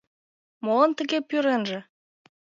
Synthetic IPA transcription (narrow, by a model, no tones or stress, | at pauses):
moənt̪əɣepyɾenʒĕ